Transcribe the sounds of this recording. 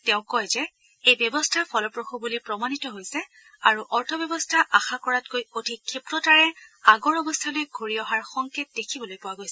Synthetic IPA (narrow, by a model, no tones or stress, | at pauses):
tɛʊ̃kɔjzɛ | ejbjɔbɔstʰapʰɔlɔpɹoxubulipɹɔmanitɔɦojsɛ | aɹuʔɔɹtʰɔbjɔbɔstʰaʔaxakɔɹatkojodʰʱikʰːepɹɔtaɹɛaɡɔɹɔbɔstʰalojɡʱoɹiɔɦaɹxɔŋket̚dekʰibɔlojpʊwaɡojsɛ